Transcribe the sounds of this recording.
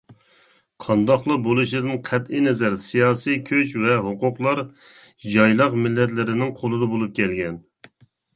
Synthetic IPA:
qʰɑnd̪ɑχlˠɑbolˠɨʃlɨd̪ɨnqʰɛt̪ɪnɛzɛɾsijɑːsijkʲʰøt͡ʃvɛɦoqʊqlˠɑɾ | d͡ʒɑjlˠɑqmɪlːɛt̪̬lɪɾɪnɪŋqʰolˠɨd̪ɑbolˠup̚kʲʰɛlɡʲɛn

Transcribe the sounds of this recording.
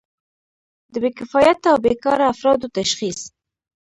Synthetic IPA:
d̪əbekɪfɑjat̪awbekɑɾaːfɾɑd̪ot̪aʃxis

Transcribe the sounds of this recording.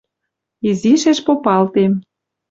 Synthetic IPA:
iziʃeʃpopɑlt̪em

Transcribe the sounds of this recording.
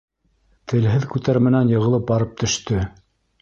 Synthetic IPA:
t̪ʰɘ̆lɦɘðkʉt̪æɾmɘ̆nænjɤ̆ʁɤ̆lˠɤp̚bɑɾɤp̚t̪ʰɵ̆ʃt̪ɵ

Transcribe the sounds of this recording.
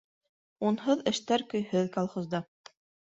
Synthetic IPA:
unɦɤðɘ̆ʃt̪æɾkɵ̆jhɵðkɑlˠχŏzd̪ɑ

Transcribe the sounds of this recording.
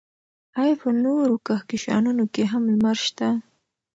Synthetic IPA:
ajpənoɾokaxkiʃɑ̰nunokeɦamlmaɾʃt̪a

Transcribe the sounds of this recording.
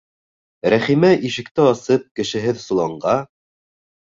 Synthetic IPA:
ɾæχimæʔiʃɘ̆kt̪ɘɑsɤp̚kɘ̆ʃɘ̆ɦɘðsulˠɑɴɢɑ

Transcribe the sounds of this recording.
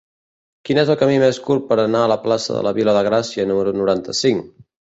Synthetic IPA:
kinezəlˠkəmimeskur̚pəɾənaələplasə̰ðə̰lə̰βiləðəɣ̞ɾasiənuməɾunuɾant̪əsiŋ

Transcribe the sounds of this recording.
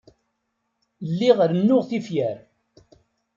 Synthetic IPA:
lːiʁəɾnːʊʁθifjæɾ

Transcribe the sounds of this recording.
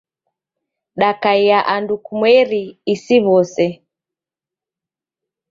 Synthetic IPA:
ɗakaijaʔandukumwɛɾiːsiβɔsɛ

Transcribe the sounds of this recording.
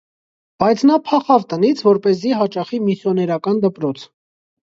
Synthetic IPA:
b̥ɑjt͡sʰnɑpʰɑχɑvt̪ənit͡sʰvɔɾpɛziɦɑt͡ʃɑχimisjɔnɛɾɑkɑnd̪əpɾɔt͡sʰ

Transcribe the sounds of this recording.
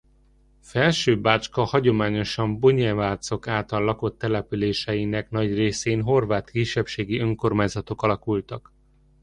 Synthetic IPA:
fɛlʃøːbaːt͡ʃkɒhɒɟo̞maːɲo̞ʃɒmboɲɛvaːrt̪so̞kaːlt̪ɒlːɒko̞t̪ːɛlɛpyleːʃɛjinɛknɒɟreːseːnɦo̞rvaːt̪kiʃːɛpʃeːɡiø̞ŋko̞rmaːɲzɒt̪o̞kɒlɒkult̪ɒk

